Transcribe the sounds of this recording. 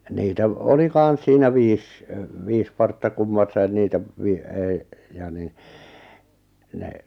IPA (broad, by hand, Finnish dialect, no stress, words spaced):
niːtæ ʋ oli kɑˑn̞s siːnæ ʋiːs ʋiːs pɑrtːɑ kumːɑsːɑin niːtæ ʋi ei jɑ ni ne